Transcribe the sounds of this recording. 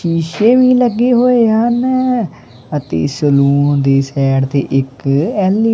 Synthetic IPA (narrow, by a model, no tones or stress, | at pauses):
iːʃeːʋiːləɡːeːɦoːeːɦən | ət̪ḛːsəluːnd̪eːsɛːɽt̪ḛːʔɪkɛːliː